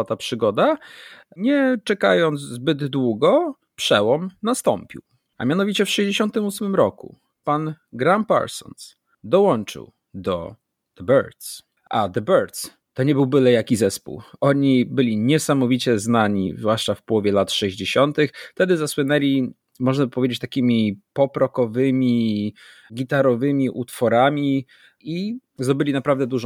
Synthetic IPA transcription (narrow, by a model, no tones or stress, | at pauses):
at̪apʂɘɡɔd̪aɲɛt͡ʂɛkajɔnd̪zzbɘd̪ːwuɡɔ | pʂɛwɔmnast̪ɔmpʲḭw | ʔa̰mʲjanɔvʲit͡ɕɛfʂɛʑd͡ʑeɕɔnt̪ɘmusmɘmɾɔkṵ | panɡɾampa̰ɾsɔ̰ns | d̪ɔwɔnt͡ʂɨ̰w | d̪ɔ | d̪̥ɛbɛɾt̪s | ʔad̪ɛbɛɾt̪s | t̪ɔɲɛbɘwbɘlɛjakʲizɛspṵwʔɔɲibɘlʲiɲɛsamɔvʲit͡ɕɛznaɲḭzvwaʂt͡ʂafpɔwɔvʲjɛlat̪ʂɛʑd͡ʑeɕɔnt̪ɘxft̪ɛd̪ɘzaswɘnɛlʲi | mɔʐnapɔvʲed͡ʑet͡ɕt̪akʲimʲipɔpɾɔkɔvɘmʲi | ɡʲit̪aɾɔvɘmʲiʔut̪fɔɾamʲi | izd̪ɔbɘlʲinapɾavd̪ɛd̪uʐɔ̃